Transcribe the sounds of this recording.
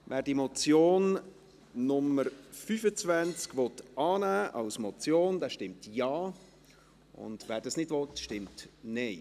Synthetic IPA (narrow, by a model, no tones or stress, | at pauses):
ʋɛːɾdimɔt͡sjoːn | nʊməɾfyfət͡svænt͡skʋɔt̪ɑːnæːʔɑ̰ʊsmɔt͡sjoːndɛːʃtɪmtjɑː | ʔʊ̰nd̥ʋæːɾdɑsnɪdvɔtʃtɪmtnɛɪ